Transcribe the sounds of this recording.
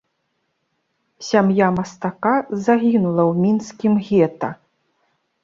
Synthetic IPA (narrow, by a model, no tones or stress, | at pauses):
sʲamjamɐst̪akazaɣʲinulˠɐwmʲinskʲimɣʲɛt̪ɐ̰